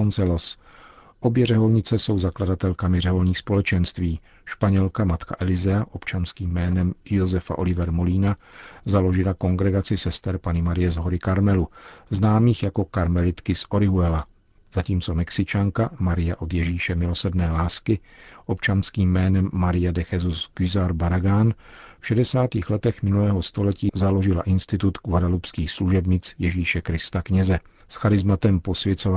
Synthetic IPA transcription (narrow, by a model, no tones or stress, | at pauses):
ont͡sɛlo̞s | ʔo̞bjɛrɛɦo̞lɲɪt͡sɛso̞wzakladat̪ɛlkamɪrɛɦo̞lɲiːxspo̞lɛt͡ʃɛnst̪viː | ʃpaɲɛlkamat̪ka̰ʔɛlɪzɛaʔo̞pt͡ʃanskiːmːɛːnɛmjo̞zɛfa̰ʔo̞lɪvɛɾmoliːnazalo̞ʒɪlako̞ŋɡɾɛɡat͡sɪsɛst̪ɛɾpanɪmaɾɪjɛzɦo̞ɾɪkaɾmɛluznaːmiːxjako̞kaɾmɛlɪt̪kɪsʔo̞ɾɪɦuɛla | z̥aciːmt͡so̞mɛksɪt͡ʃaŋkamaɾɪjaʔo̞d̪jɛʒiːʃɛmɪlo̞sɾdnɛːlaːskɪʔo̞pt͡ʃanskiːmːɛːnɛmːaɾɪjadɛxɛzusɡ̥yzaɾbaɾaɡanfʃɛdɛsaːt̪iːxlɛt̪ɛxmɪnulɛːɦo̞st̪o̞lɛciːzalo̞ʒɪlaʔɪnst̪ɪt̪ut̪kuvadalupskiːxsluʒɛbɲɪt͡sjɛʒiːʃɛkɾɪst̪akɲɛzɛ | sxaɾɪzmat̪ɛmpo̞svjɛt͡sov